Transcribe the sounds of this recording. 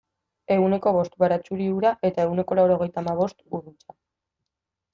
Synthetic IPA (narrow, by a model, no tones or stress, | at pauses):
e̞une̞ko̞βo̞st̪βaɾat͡ʃuɾiuɾaʔe̞t̪ae̞wne̞ko̞lawɾo̞ɣ̞e̞jt̪amaβ̞o̞st̪urit͡ʃḁ